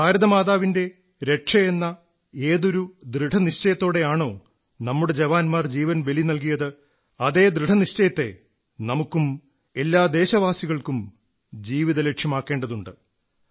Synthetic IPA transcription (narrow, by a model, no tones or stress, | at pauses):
paːɾɐðɐmaːðaːʋinde̞ | ɾe̞ʂɐje̞nːɐ | e̞ːðo̞ɾud̪rɨʈʰɐniɕt͡ɕɐjɐt̪ːo̞ːɽe̞jaːɳo̞ː | nɐmːuɽed͡ʑeʋaːnmaːrd͡ʑiːʋɐnʋelinɐlk̬ijɐðɨ | ɐðe̞ːd̪rɨʈʰɐniɕt͡ɕɐjɐt̪ːe̞̰ | nɐmukːum | e̞lːaːd̪e̞ːɕɐʋaːsiɣɐɭkum | d͡ʑiːʋiðɐle̞kʂjɐmaːkːe̞ːɳɖɐðuɳɖɨ